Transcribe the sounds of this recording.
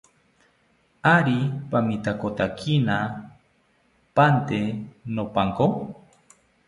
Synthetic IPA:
aɾipamĩt̪akot̪akʰina | pant̪enopaŋko

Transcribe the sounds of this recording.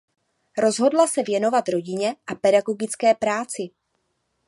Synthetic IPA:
ɾo̞zɦo̞dlasɛvjɛno̞vat̪ɾo̞ɟɪɲɛʔapɛdaɡo̞ɡɪt͡skɛːpɾaːt͡sɪ

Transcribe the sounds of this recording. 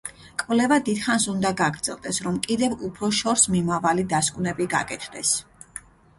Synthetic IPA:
kʼvlɛvad̪id̪̥χansund̪aɡaɡɾd̪z̥ɛ̰lˠd̪ɛsɾɔmkʼid̪ɛvupʰɾɔʃɔɾsmimavalid̪askʼvnɛbiɡa̰kʼɛt̪ʰd̪ɛs

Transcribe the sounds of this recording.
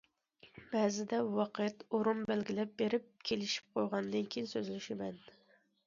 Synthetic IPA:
b̥æzɪd̪ɛwɑqʰɨjɛt̪oɾunbælɡʲɪlɛp̚beɾɪp̚kʲʰelɪʃi̥p̚qʰojʁɑnd̪ɨnkʲʰejinsøzlɪʃemɛn

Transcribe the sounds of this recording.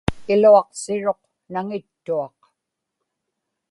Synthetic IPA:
ɪluɑqsɪɻo̞q | naŋɪt̪ːuɑq

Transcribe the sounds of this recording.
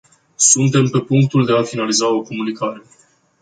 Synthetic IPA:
sunt̪e̞mpe̞puŋk̚t̪uld̪e̞afinalizao̞ko̞munikaɾe̞

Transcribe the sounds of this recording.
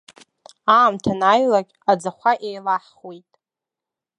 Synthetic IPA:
aːmtʰanajlakʲad͡zaχʷaʔejlaħχwejtʼ

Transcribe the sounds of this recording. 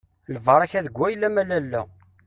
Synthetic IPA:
ləvəɾˤæçæðəɡʷːæjlːæmælælːæ̰

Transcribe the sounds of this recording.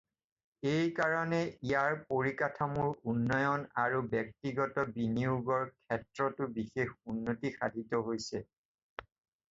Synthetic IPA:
ejkaɹɔnɛijaɹpoɹikatʰamuɹunːɔjɔnaɹubɛk̚tiɡɔtɔbiniuɡɔɹkʰɛtɹɔtʊbixexunːotixadʱitɔɦojsɛ

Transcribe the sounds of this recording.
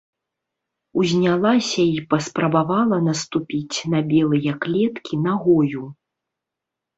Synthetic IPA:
uzʲnʲalˠasʲɐipɐspɾɐbavalˠɐnɐst̪upʲit͡sʲnɐbʲɛlˠɨjɐklʲɛt̪kʲinaɣɔju

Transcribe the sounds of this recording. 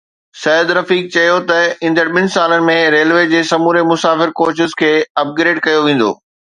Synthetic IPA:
sɐːəd̪ɾɐfiːk̚t͡ɕɐjot̪ɐĩnd̪əɽɪɓɪnɪ̆saːlənɪ̆mẽɾeːlʋeːd͡ʑeːsɐmuːɾemʊsaːfɪɾkoːt͡ɕɪzkʰeːɐp̚ɡɾeːɖkɐjoʋẽːn̆d̪o̰ː

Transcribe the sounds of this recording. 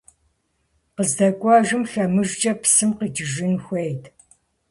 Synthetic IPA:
qəzdɐkʷʼɑʒɨmɬɐmɨʒd͡ʒt͡ʃʼɐpsɨmqid͡ʒɪʒɪnxʷejtʰ

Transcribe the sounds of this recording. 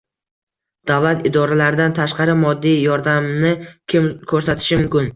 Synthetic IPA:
d̪̥avlat̪ɪd̪ɒɾalaɾɪd̪ant̪ʰaʃqɑɾɪmɒd̪ːijjɒɾd̪amnɪɪmkʰɵɾsat̪ʰɪ̥ʃɪmʊmkʲɪn

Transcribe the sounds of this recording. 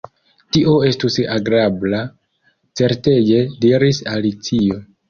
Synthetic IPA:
tiʔo̞e̞stusaɡɾabla | t͡se̞ɾte̞d͡ʒe̞diɾisalit͡sio̞

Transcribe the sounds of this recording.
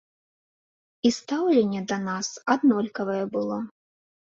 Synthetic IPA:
ist̪awlʲɛnʲːɛd̪ɐnasad̪nɔlʲkɐvɐjɛbɨlˠɔ

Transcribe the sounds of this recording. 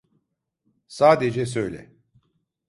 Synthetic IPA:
saːd̪ed͡ʒɛs̬øjlʲɛ̰

